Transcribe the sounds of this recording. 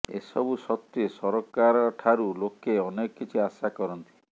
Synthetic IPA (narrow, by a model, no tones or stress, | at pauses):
ḛsɔbusɔt̪ːjesɔɾɔkaɾɔʈʰaɾulokːeɔnekɔkːit͡ʃʰiasakɔɾɔnt̪i̥